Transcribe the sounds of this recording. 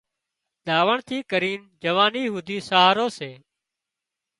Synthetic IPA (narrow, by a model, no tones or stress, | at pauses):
d̪aːʋəɳt̪ʰiːkəɾiːn | d͡ʒəʋaːniːɦuːd̪ʱiːsaaːɾoːseː